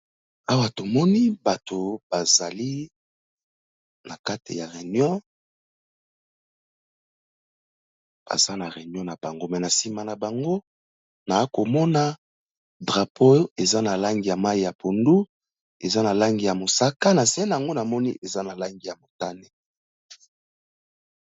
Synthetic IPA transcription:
a˦wa˨to˨mɔ˦ni˦ba˨tʰo˨b̥a˨za˨li˦ | na˨ka˦te˨ja˨ʁe˨n˦ɔ̃˦ | b̥a̰˨za˦na˨ʁe˨njɔ̃˦na˨b̥a˨ŋɡo˦mɛ˨na˨si˦ma˨na˨ba˨ŋɡo˦ | na˨˦ko˨mɔ˦na˦ | dʁa˨pʰo˦e˨za˦na˨la˦ŋɡi˨ja˨ma˦i˨ja˨pʰo˨ndu˦ | e˨za˦na˨la˦ŋɡi˨ja˨mo˨sa˦ka˦na˨se˦ɛ˦na˨a˨ŋɡo˦na˨mɔ˦ni˦ʔe˨za˦na˨la˦ŋɡi˨ja˨mo˨ta˦ne˦

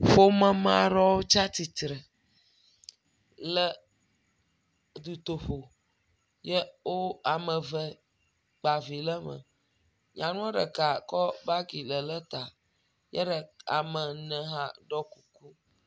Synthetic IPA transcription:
ɸo˦mə̃˦mã˦ɾɔ˦wo˦t͡ʃa˦t̪i˨t̪ɾə˨ | lə˦ | d̪u˨t̪o˨ɸo˨ | jə˦wo˦a˨mə˨və˦ | k͡pa˨vi˨lə˦mə̰̃˨ | ɲã˨nũ˦ɖə̰˨ka˨kɔ˦ba˦ɡi˨lə˨lə˦t̪a˨ | jə˦ɖə˨a̰˨mə˨nə̃˨ɦã˦ɖɔ˦ku˨ku˦

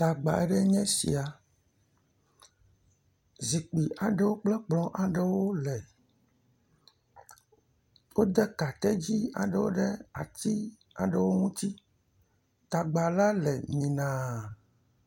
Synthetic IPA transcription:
t̪a˨ɡ͡ba̰˨e˦ɖe˦ɲɛ̃˦sḭ˨a˨ | zi˨k͡pi˨ʔa˨ɖe˦wo˦k͡plɛ˦k͡plɔ̃˨ʔa˨ɖe˦wo˦lɛ˨ | wo˦d̪ɛ˦ka˨t̪ɛ˦d͡ʑi˦a̰˨ɖe˦wo̰˦ɖe˦a̰˨t̪i˦ | a̰˨ɖe˦wo˦ŋũ˦t̪i˦ | t̪a˨ɡ͡ba˨la˦lɛ˨ɲĩ˨nã˨

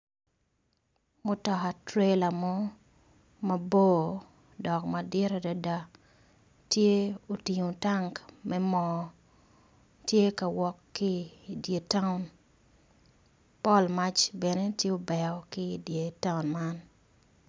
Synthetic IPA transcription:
mʊ˦tɔ˨ka˨tɾe˦la˨mɔ˦ | mɐ˨bo˦ | dɔ˨kmɐ˨dje˦ɾa˨da˨da˦ | tje˦o˨ti˨ŋo˨ta˦ŋkmɛ˦mɔ | tje˦ka˨wɔ˦kːɪ˦dje˨ta˦ʊ˨n | pɔ˦lma˦t͡ʃbɛ˨ne˦tje˦o˦bɛ˨ɔ˨kɪ˦dje˨ta˦ʊnma˦n

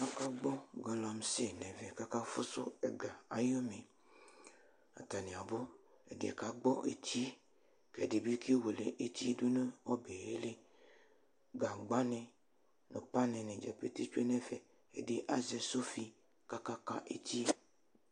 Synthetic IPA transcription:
a˦ka˦ɡ͡bɔ˦ɡɔ˨lɔ˨m˨se˦nɛ̃˨vɛ˨ka˦ka˦fo˦so˦e˨ɡa˨a˨jɔ˦mẽ˨ | a̰˨t̪a˨nẽ˨a˨bo˦ | e˨dḛ˨ka˨ɡ͡bɔ˦ʔḛ˨t̪i˦ | kɛ˨de˨bi˦ki˦wo˨le˨ʔe˦t̪i˦du˦nẽ˦wɔ˦be˨e˦le˦ | ɡa˨ɡ͡ba˦nɛ̃˨ | nõ˨pa˦nɛ̃˨nɛ̃˨d͡ʒɛ˨pe˦t̪i˦t͡ʃe˦nɛ̃˨vɛ˨ | ḛ˨de˦ʔa˦ze˨so˦fi˦ | ka˦ka˦ka̰˦ʔḛ˦t̪i˦˨

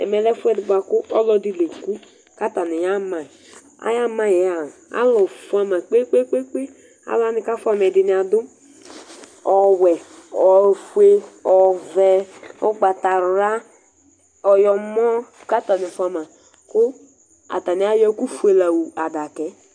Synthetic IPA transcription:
ɛ̰˨mɛ˨lɛ˦fu˦ɛ˦di˨ba˨kʊ˦ɔ˦lɔ˦di˦le˨ku˦ | ka˦ta˨ni˨ja˦ma˨ | a̰˦ja˦ma˨jɛ˨˦a˨a̰˦lɔ˨fu˦a˦ma˨k͡pe˦k͡pe˦k͡pe˦k͡pe˦ | a̰˦la˦ni˨ka˦fu˦a˦m˨ɛ˨di˨˦ni˨˦a˨dʊ˦ | ɔ˨wɛ˨ɔ˨fu˦e˦ɔ˨vɛ˦ɔ˦ɡ͡ba˨ta˨ɾɾa˦ | ɔ˨jɔ˨mɔ˦ka˦ta˨ni˨fu˦a˨ma˨ | kʊ˦ | a̰˨ta˨ni˨˦a˦jɔ˦ku˦fu˦e˨la˨wu˨a˨da˨kɛ˨˦

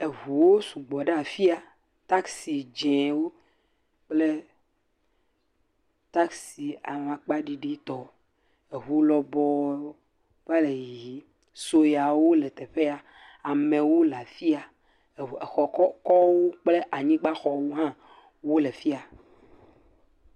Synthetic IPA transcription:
e˨ɦu˨wo˦su˨ɡ͡bɔ˨ɖe˦a˨fi˦a˨ | t̪a˦ksi˨d͡ʒɛ̃˨wo˦ | k͡ple˦ | t̪a˦ksi˨a̰˨n˨ã˨k͡pa˦ɖi˨ɖi˦t̪ɔ˦ | e˨ɦu˦lɔ˨bɔ˦ | va˦le˨ji˦ | so˦ja˨wo˦le˨t̪e˨ɸe˦a˨ | a˨mẽ˨wo˦la˨fi˦a˨ | e˨xɔ˨kɔ˦kɔ˦wo˦k͡ple˦ʔa˨ɲĩ˦ɡ͡ba˦xɔ˦wo˦ɦã˦ | wo˦le˨fi˦a˨

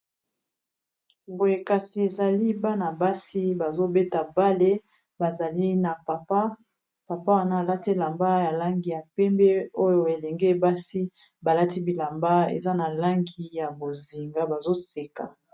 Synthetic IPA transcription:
bo˨je˨ka˨si˨e˨za˨li˦ba˦na˨ba˦si˦ba˨zo˦be˦ta˨ba˦le˦ | ba˨za˨li˦na˨pa˨pa˦ | pa˨pa˦wa˨na˦˨la˦te˦la˨mba˦ja˨la˦ŋɡi˨ja˨pɛ˦mbe˦o˦jo˦e˨lɛ˨ŋɡe˦˨ba˦si˦ | ba˨la˦ti˦bi˨la˨mba˦ḛ˨za˦na˨la˦ŋɡi˦ja˨bo˨zi˨ŋɡa˦ba˨zo˦se˨ka˨

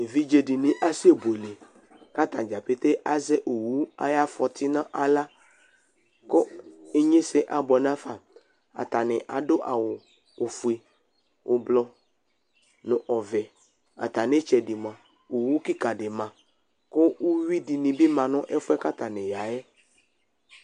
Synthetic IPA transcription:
e˨vi˦d͡ʒe˨di˨nĩ˨ʔa˦si˦e˦˨bo˨le˨ | ka˦t̪ã˨d͡ʒa˨pe˦t̪e˦ʔa˦zɛ˦ʔo˨wu˦a̰˦ja˦fɔ˨t̪i˦nã˦ʔa˨la˦ | ko˦e˦ɲẽ˦se˨ʔa˨bɔ˨nã˦fa˨ | a̰˨t̪a˨nɪ̃˨ʔa˨do˦ʔa˨wo˨ | o˨fu˨e˨ | wʔo˨blɔ˦ | nɔ̃˨ʔɔ˨vɛ˨ | a̰˨t̪a˨nẽ˦t͡ʃɛ˨di˨mã˨ | o˨wu˦ki˦ka˨ɖe˨mã˨ | ko˦wo˦wi˦di˨nĩ˨be˦mã˨nɔ̃˦ʔe˦fo˦ɛ˦ka˦t̪a˨nẽ˨ja˨ɛ˦

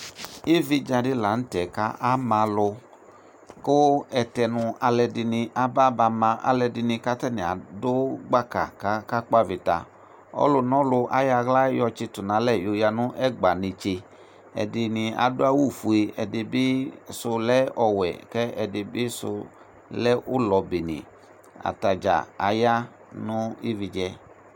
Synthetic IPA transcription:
ɪ˦vɪ˦d͡ʒa˧dɪ˦la˨n̩˦tɛ˨ka˦ʔa˦mã˧lʊ˧ | kʊ˦ɛ˧tɛ˧nʊ̃˧a˧lɛ˧dɪ˧nɪ˧ʔa˦ba˦ba˧mã˧ʔa̰˨lɛ˧dɪ˧nɪ̃˧ka˦tɛ˦nɪ̃˨a̰˨dʊ˦ɡ͡ba˦ka̰˨ka˦ka˦k͡pa˦˨vɪ˨ta̰˨ | ɔ̰˦lʊ˧nɔ̃˦lʊ˧ʔa̰˦ja˧ɣla˦jɔ˧t͡ʃɪ˧tʊ˨nã˨˦lɛ˦˨jo˨ja˧nʊ̃˦ʔɛ˦ɡ͡ba˨nɪ̃˨t͡ʃe˧ | ɛ̰˨dɪ˧nɪ˧a̰˨dʊ˦a˦wu˦˨fu˨e˧ɛ˨dɪ˧bɪ˦sʊ˧lɛ˦ɔ˧wɛ̰˨kɛ˦ɛ˧dɪ˧bɪ˦sʊ̰˧ | lɛ˦ʔʊ˦lɔ˨be˨nḭ˨ | a̰˨ta˨d͡ʒa̰˨a̰˨ja˦ | nʊ̃˦i˦vi˧d͡ʒɛ˧

